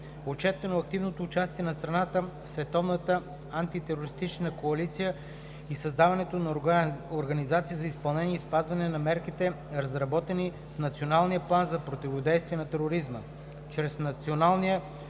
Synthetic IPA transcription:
ot͡ʃɛt̪ɛnoɐk̚t̪ivnot̪oːt͡ʃast̪iɛnɐst̪ɾɐnat̪əsvɛt̪ɔvnət̪ə | ant̪it̪ɛɾoɾist̪it͡ʃnəkoɐlit̪sijə | isɐzd̪avɐnɛt̪onɐoɾɡɐnizat̪sijəzɐispɐlˠnɛniəispazvɐnɛnɐmɛɾkit̪ɛ | ɾɐzɾɐbɔt̪ɛni | fnɐt̪sionalˠnijəplˠanzɐpɾot̪ɛvod̪ɛjst̪viɛnɐt̪ɛɾoɾizmə | t͡ʃɾɛsnɐt̪sionalˠniə

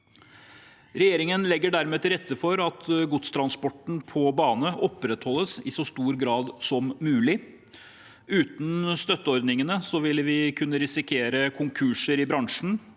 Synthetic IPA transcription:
ɾɛjeːɾɪŋənlɛɡːəɖæɾmeːt̪ʰɪlɾɛt̪ːəfɔɾɑt̪ɡʊt̪st̪ʰɾɑnspɔʈɳ̩pʰɔbɑːnəʔɔpɾɛt̪hɔlːəsɪ̰sɔst̪uːɾɡɾɑːd̪sɔmːʉːlɪ | ʉːt̪n̩st̪œt̪ːəɔɾd̪nɪŋənəsɔʋɪlʋɪkʰʉnːəɾɪsɪkʰeːɾəkʰʊŋkʰʉʂəɾɪbɾɑŋʂɳn̩

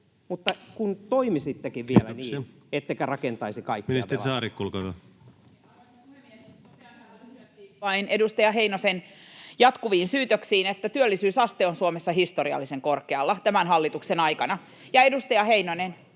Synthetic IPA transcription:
mut̪ːɑkunt̪oimisit̪ːekiʋʋielæniːet̪ːeikærɑkent̪ɑisikɑikːnist̪ːeisɑːɾikkulkotɑ | ueme | æːt̪ːiːʋɑinʔedust̪ɑjɑɦeinosenjɑt̪kuʋiːnsyːt̪øksiːnet̪ːæt̪yølːisyːsɑst̪eonsuomesːɑhist̪oɾiɑ̰lːiseŋkorkeɑlːɑt̪æmænɦɑlːit̪uksenɑjkɑnɑ | jɑedust̪ɑjɑheinonen

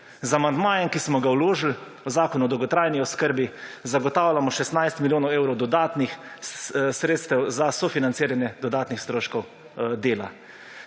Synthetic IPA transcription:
zamand̪maːjɛmkismɔɡawloːʒl | ɔzaːkɔnuɔd̪ɔwɡɔt̪ɾaːjniɔskəɾbizaɡɔt̪aːwlʲamɔʃɛst̪najst̪miljoːnɔweːwɾɔwd̪ɔd̪aːt̪nix | sɾeːt̪st̪ɛwzasɔfinansiːɾanjɛd̪ɔd̪aːt̪nixst̪ɾoːʃkɔw | d̪eːla

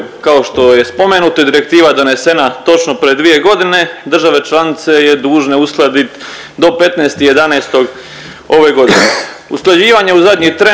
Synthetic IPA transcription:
kao̞ʃt̪o̞je̞spo̞menut̪oid̪iɾe̞k̚t̪iːʋad̪o̞ne̞se̞nat̪o̞t͡ʃnopɾied̪ʋije̞ɡo̞d̪ine̞d̪r̩ʒaʋe̞t͡ʃlˠanit̪se̞jed̪uːʒneusklˠad̪it̪ | d̪o̞pe̞t̪neːst̪ijed̪aneːst̪o̞ɡ | o̞ʋe̞ɡo̞d̪ine | usklˠad͡ʑiːʋaɲeuzad̪ɲit̪ɾe

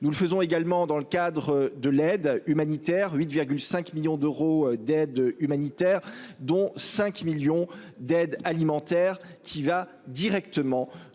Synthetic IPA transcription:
nuləfəzɔ̃eɡalmɑ̃d̪ɑ̃ləkad̪ʁəd̪əlɛd̪ymanit̪ɛʁɥit̪viʁɡʲylsɛ̃kmiljɔ̃d̪øʁod̪ɛd̪ymanit̪ɛːʁd̪ɔ̃sɛ̃kmiljɔ̃ | d̪ɛd̪alimɑ̃t̪ɛʁkʲʰiva | d̪iʁɛkt̪əmɑ̃

